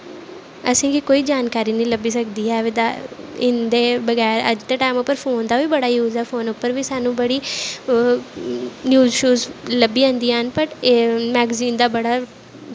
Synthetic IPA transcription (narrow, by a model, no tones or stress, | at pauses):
əsĩːkikoːiːd͡ʒaːnkaːɾiːnəĩləbiːsəkd̪iːɛːʋɪd̪aɪnd̪eːbəɡɛːɾə̰d͡ʒt̪eːʈaːmʊpːəɾfʰoːnd̪aːʋiːbəɽaːjuːzɛːfʰoːnʊpːəɾʋiːsaːnũːbəɽiː | njuːzʃuːzləbiːãːnd̪iːanpəʈːmɛːɡziːnd̪aːbəɽaː